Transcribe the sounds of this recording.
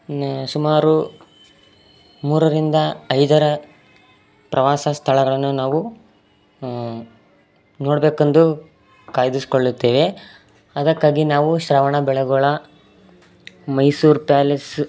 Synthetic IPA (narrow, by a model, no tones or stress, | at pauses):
sumaːɾu | muːɾɐɾind̪ɐːjd̪ɐɾɐ | pɾʔɐʋaːsɐst̪ʰɐɭɐɡɐɭɐnːunaːʋu | no̞ːɽbe̞ːkend̪u | kaːjɐd̪isi̥koɭːut̪ːeːʋe̞ | ɐd̪ɐkːaːɡinaːʋuʃɾaːʋɐɳɐbɛɭɐɡuɭɐ | mɐjsuːɾpaːles